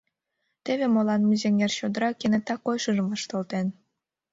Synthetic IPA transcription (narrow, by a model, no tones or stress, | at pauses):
t̪eβemolˠɑnmuzeŋerɕod̪əɾɑkenet̪ɑkojʃɯʒəməʃt̪olt̪en